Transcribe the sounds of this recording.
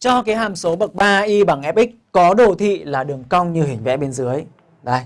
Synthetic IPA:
t͡ɕɔ˧kaː˨˦jɦaː˨˩mso˨˦ɓə˨˩k̚ɓaː˧ʔi˧ɓa˧˩ŋʔɛ˦˥p̚ʔi˦˥k̚kɔ˨˦ɗo˨˧˩t̪ʰḭ˧˨laː˨˩ɗɨ˨˩əŋka˧wŋ͡mɲɨ˧ɦï˧˩ŋ̟vɛ̰˧˥ɓe˧nzɨ˨˦əj | ɗə˨˧˩j

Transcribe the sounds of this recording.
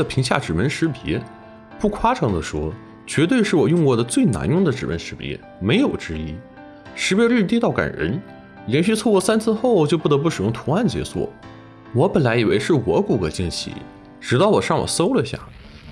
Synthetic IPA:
ə˨˩pʰi˧˥ŋɕja̰˥˩ʈ͡ʂɻ̩˨˩mə˧˥nʂɻ̩˧˥pjɛ̰˧˥ | pu˥˩kʰwa˥ʈ͡ʂʰɤ˧˥ŋd̪ə˧ʂwɔ˥ | t͡ɕɥɛ˧˥t̪we˥˧ɪʂɻ̩˥˩wɔ˨˩jʊ˥˧ŋkwɔ˥˩d̪ə˦t͡swe˥˩ɪna̰˧˥njʊ˥˩ŋd̪ə˩ʈ͡ʂɻ̩˨˩mə̰˧˥nʂɻ̩˧˥pjɛ̰˧˥ | me˧˥ɪjo˨˩ʊʈ͡ʂɻ̩˥i˥ | ʂɻ̩˧˥pjɛ˥y˥˧˩t̪̬i˥t̪ɑ˥˩ʊka̰˨˩nɻə̰˧˥n | ljɛ˧˥nɕy˥˧t͡sʰkwɔ˥˧sa˥nt͡sʰɹ̩˥˧xo˥˩ʊt͡ɕjo˥˧pu˥˩t̪ɤ˧˥pu˥˩ʂɻ̩˨˩jʊ˥ŋt̪ʰu˧˥a˥˩nt͡ɕjɛ̰˧˥swɔ̰˥˩ | wɔ˧˥pə˨˩nla˧˥ɪi˨˩wḛ˧˥ɪʂɻ̩˥˩wɔ˧˥ku˨˩kɤ˧˥t͡ɕi˥˩nɕʰḭ˥˩ | ʈ͡ʂɻ̩˧˥t̪ɑ˥˩ʊwɔ˨˩ʂɑ˥˩ŋwɔ̰˨˩so˥ʊlə˨˧ɕja̰˥˩

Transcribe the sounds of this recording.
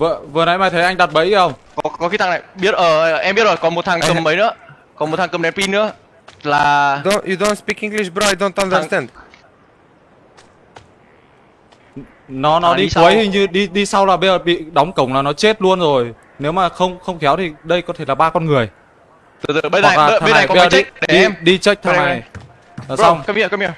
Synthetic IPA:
və˧˨˩və˨˩na̰˨˦jmaː˨˩t̪ʰə˨˦jʔa˧jŋ̟ɗa˨˩t̚ɓə̰˧˥jxə˧wŋ͡mkɔ˨˦kɔ˨˦xi˧˦t̪a˧ŋna˨˩jɓi˦˥ət̚ʔəː˧˩ʔɛ˧mbi˦˥ət̚zo˨˩kɔ˨˦mo˨˩t̚t̪ʰaː˨˩ŋkə˨˩mmə˨˦jnɨ̰˧˥ə | kɔ˨˦mo˨˩t̪ʰa˨˩kə˨˩mnɗɛ˨˦pi˧nɨ̰˧˥ə | laː˨˩ju˨do˦nspi˧ki˧ŋli˧sbɾɔ˧jdɔ˧nt̪ɔ˧nzɛ˧nd | nɔ˨˦nɔ˨˦ɗi˧u˨ə˦jhi˧ŋɲɨ˧ɗi˧ɗi˧sa˧wlaː˨˩ɓə˧jzəː˨˩ɓḭ˧˨ɗɔ˨˦wŋ͡mkə˨˩wŋ͡mlaː˨˩nɔ˨˦t͡ɕe˦˥t̚lu˧ənzo˨˩j | ne˨˦wmaː˨˩xə˧wŋ͡mxə˧wŋ͡mxɛ˨˦wt̪ʰi˨˩ɗə˧jkɔ˨˦t̪ʰe˧˩laː˨˩ɓaː˧kɔ˧nŋɨ˨˩əj | ɨ˨˩t̪ɨ˨˩ə˧˨aː˨a˧a˨˩˨ə˧jzəː˨˩˦i˧ɗi˧t͡ɕə˦˥jk̚t̪ʰːa˨˩j | a˨˩sa˧wŋ͡mki˧˨kmi˧

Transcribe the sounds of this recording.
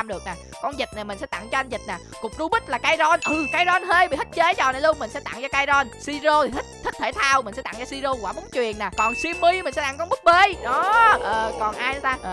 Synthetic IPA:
mɗɨ˨˩ək̚naː˨˩ | kɔ˧nzï˨˩t̚na˨˩mï˨˩ŋ̟sɛ̰˧˥t̪a̰˧˨ŋt͡ɕɔ˧ʔa˧n̟zi˨˩t̚naː˨˩kʊ˨˩k͡p̚zu˧ɓi˦˥t̚laː˨˩kaː˧jzɔ˧nʔɨ˨˩kaː˧jzɔ˧nɦe˧jbi˨˩hə˦˥t̚t͡ɕe˨˦t͡ɕɔː˨˩na˨˩jlu˧əŋmï˨˩ŋ̟sɛ̰˧˥t̪a̰˧˨ŋt͡ɕɔ˧kaː˧jzɔ˧nsi˧zo˧˨hə˦˥t̚t̪ʰi˦˥t̚t̪ʰe˧˩t̪ʰaː˧wmï̟˨˩sɛ̰˧˥t̪a̰˧˨ŋt͡ɕɔ˧si˧zo˧kwaː˧˩mu˨˦nt͡ɕwḭ˨˩ənːaː˨˩kɔ˨˩nswi˧əmːi˧mï̟˨˩sɛ̰˧˥t̪a˧˩ŋkɔ˧mɓɨ˦˥k̚ɓe˧ɗɔ˨˦ʔəː˨˩kɔ˨˩nʔaː˧jn˨˦t̪aː˧˨

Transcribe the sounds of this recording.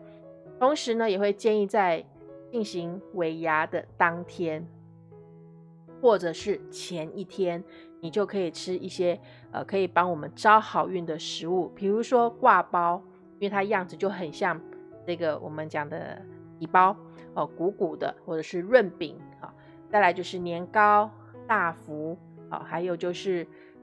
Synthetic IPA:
t̪ʰo˧˥ŋʂɻ̩˧˥nə˧jɛ˨˩xwe˥˧ɪt͡ɕjɛ˥˧ni˥˧t͡sa˥˧ɪ | t͡ɕi˥˩ŋɕi˧˥ŋwe˧˥ɪja˧˥d̪ə˨t̪ɑ˥ŋt̪ʰjɛ˥n | xwɔ˥˩ʈ͡ʂɤ˨˩ʂɻ̩˥˩t͡ɕʰjɛ˧˦˥ni˥˩t̪ʰjɛ˥n | ni˨˩t͡ɕjo˥˩ʊkʰɤ˧˥i˨˩ʈ͡ʂʰɻ̩˥ʔi˥˩ɕjɛ˥ | ə̰˨kʰɤ˧˥i˨˩pɑ˥ŋwɔ˨˩mə˦nʈ͡ʂɑ˥ʊxɑ˨˩ʊy˥˩nd̪ə˨˩ʂɻ̩˧˥˦u˥˩pʰi˨˩ɻu˧˦˥ʂwɔ˥kwa˥˨pɑ˥ʊ | i˥n˥we˥˩ɪt̪ʰa˥˧jɑ˥˩ŋd͡z̩˨˩t͡ɕjo˥˩ʊxə˨˩nɕjɑ˥˧ŋ | ʈ͡ʂɤ˥˩ɡə˩wʔɔ̰˨˩mə˦nt͡ɕjɑ˨˩ŋd̪ə̰˦t̪i˨˩pɑ˥ʊ | ɔ˩ku˧˥ku˨˩d̪ə̰˦xwɔ˥˩ʈ͡ʂɤ˨˩ʂɻ̩˥˧ɻwə˥˧npḭ˨˩˦ŋ | ɔ̰˥˩ | t͡sa˥˩ɪla˧ɪt͡ɕjo˥˧ʊʂɻ̩˥˩njɛ˧˥nkɑ˥ʊ | t̪a˥˩fu˧˦˥ | ɑ̰˨˩xa˧˥ɪjo˨˩ʊt͡ɕjo˥˧ʊʂɻ̩˥˩

